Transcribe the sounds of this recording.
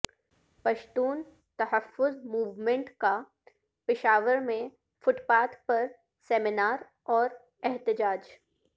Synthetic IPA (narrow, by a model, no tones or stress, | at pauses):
pɐʃt̪uːn | t̪ɐɦəfːʊzmuːʋmẽɳʈka | pɪʃaːʋəɾmẽ | fʊʈpaːt̪pɐɾ | seːmɪnaːɾ | ɔːɾ | ɛɦt̪ɪd͡ʒaːd͡ʒ